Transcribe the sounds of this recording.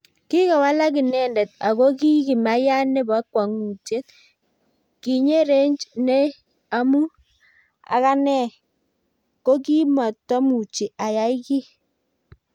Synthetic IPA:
ki˦ka˨wa˦la˦ki˨nɛ˨ndɛ˨t̚a˨ko˦ki˦ki˨ma˦ja˦ne˦ba˨˦kwa˨ŋu˨te˦t | ki˨ɲe˦ɾe˦ɲt͡ʃne˦ | a˦mu˦ | a̰˨ka˦nɛ˦˨ | ko˦ki˦ma˨tːɔ˦mu˨t͡ʃi˨a˨ja˨˦i˦ki˦

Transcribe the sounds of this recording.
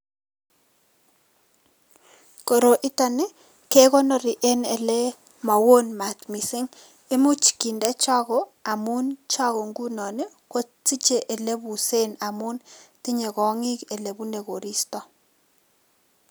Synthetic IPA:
ko˨ɾo˨ʔi˦ta˦ne˦ | ke˦kɔ˦nɔ˦ɾi˨ʔe˦ne˨le˦ | ma˨wo˦nma˨tmi˨sɪ˦ŋ | e˦mu˦t͡ʃi̥˨ki˨nde˦t͡ʃa˦kɔ˨a˨mu˦nt͡ʃa˦kɔ˨ŋɡu˦nɔ˨ne˦ | ko˦ti˦t͡ʃe˨ʔe˨le˦bu˨se˦na˨mu˦nti˦ɲe˨kɔ˨ŋi˦ke˨le˨bu˦ne˨ko˨ɾi˦stɔ˨

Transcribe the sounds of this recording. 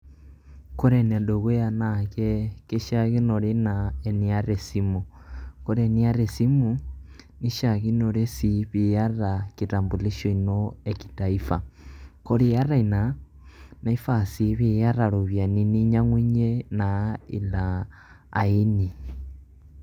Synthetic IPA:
ko˦ɾe˨n˨a˨do˨ɣo˦ja˨nake˦ke˦ʃa˦ɣi˦no˨ɾe˦na˨e˨ni˦a˦ɾe˨si˦mu˨ | ko˦ɾe˨ni˦a˦ɾe˨si˦mu˨ | ni˦ʃa˨ɣi˦no˨ɾe˦si˨βi˨ja˦ɾaki˨ta˨mbu˨li˦ʃo˦i˨noe˨ki̥˨ta˨i˦fa˨ko˦ɾe˨ja˦ɾa˦i˨na˨ | na˨i˦fa˨si˨βe˨ja˦ɾa˨ɾo˨βja˨ni˦ni˦ɲa˦ŋwi˦ɲe˦na˨˦ḭ˨la̰ː˨ | i˦ni˨

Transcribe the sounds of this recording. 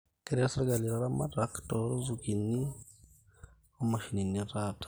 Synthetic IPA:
ke˦ɾasaɾɡa˨li˨ɾaɾa˦mataktoɾo˦zuki˨ni˦ | o˦ma˨ʃi˨ni˨niɾatḁ

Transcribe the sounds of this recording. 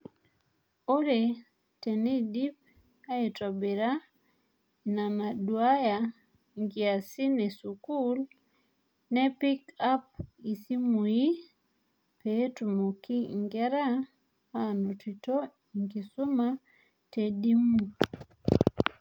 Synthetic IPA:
o˦ɾe˨ | tɛ˨nɛ˦di˦p̚ | a˦e˨twa˨be˨ɾa˦ | na˨ma˨dwa˦ja˨ | ŋɡi˨a˨si˦nɛ˨su˨ku˦l | nɛ˦pi˦ka˦p̚i˨si˦mu˨ji˦ | pe˦tu˨mo˨ki˦ŋɡɛ˦ɾa˦ | ha˦no˨ti˨to˦ | i˨ŋɡi˨su˦ma | te˨di˦mu˨

